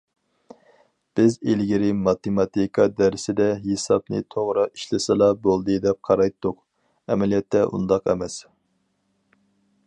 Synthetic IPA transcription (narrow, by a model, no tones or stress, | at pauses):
b̥ɪzelɡʲiɾɪmɑt̪emɑt̪ikʰɑd̪æɾsɪd̪ɛɦesɑp̚nɨ̰t̪ʰoʁɾɨi̥ʃlɪsɨlˠɑbolˠd̪ɨd̪ɛp̚qʰɑɾɑjt̪ːʊq | ɛmɛlijɛt̪ːɛʔṵnd̪ɑqɛ̰mɛs